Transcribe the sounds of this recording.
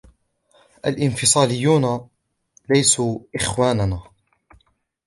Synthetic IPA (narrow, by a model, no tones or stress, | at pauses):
ʔalʔɪnfɪsˤɑːlɪjːuːna | lajsuːʔɪxwaːnnaː